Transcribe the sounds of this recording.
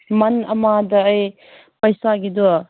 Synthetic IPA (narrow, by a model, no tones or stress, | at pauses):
mɐnɐmadɐːj | pɐjsaɡidu